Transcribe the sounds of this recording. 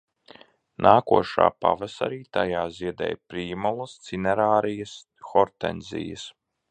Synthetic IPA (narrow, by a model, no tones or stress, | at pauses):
nʔaːkuɔʃa̰ːpa̰vasa̰ɾiːt̪ajaːziɛd̪ɛ̰jpɾiːmɔlˠɐst̪sinɛɾaːɾijɐs | xɔɾt̪ɛ̰nʲzʲḭjə̰s